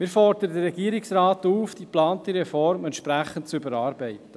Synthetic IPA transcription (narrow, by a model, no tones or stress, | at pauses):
mɪːɾfɔɾd̪əɾədəːɛɡiəɾɪksɾɑːtuːfd̥iplɑːntiɾɛfɔɾmɛntʃpɾæχən̩tt͡sʏbəɾɑːɾbɛɪtə